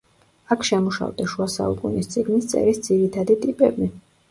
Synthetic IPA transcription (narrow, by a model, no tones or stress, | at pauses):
akʰʃɛmuʃa̰vd̪aʃuasa̰ṵkʼunist̪sʼiɡnist̪sʼɛ̰ɾisd̪ziɾit̪ʰad̪it̪ʼipʼɛbi